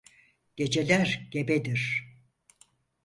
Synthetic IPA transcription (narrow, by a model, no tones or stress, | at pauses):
ɟ̥e̞d͡ʒe̞lʲæɾɟebed̪iɾ̥